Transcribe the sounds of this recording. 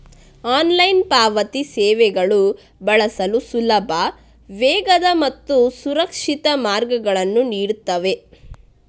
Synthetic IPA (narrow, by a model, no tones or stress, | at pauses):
aːnlɐjnpaːʋɐt̪isɛːʋɛɡɐɭu | bɐɭɐsɐlusulɐbʱɐ | ʋɛːɡɐd̪ɐmɐt̪ːusuɾɐkʂit̪ɐmaːɾɡɐɡɐɭɐnːuniːɽut̪ːɐʋe̞